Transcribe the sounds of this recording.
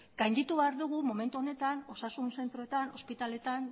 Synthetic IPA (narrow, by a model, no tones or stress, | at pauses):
ɡ̥ajnd̪it̪uβeaɾðuɣ̞umo̞me̞nt̪uone̞t̪ano̞sasunse̞nt̪ɾo̞et̪ano̞spit̪ale̞t̪an